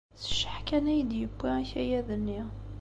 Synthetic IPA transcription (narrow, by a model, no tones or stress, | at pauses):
θə̥ʃəħkænæjəd̪jəbːiçæjæðənːi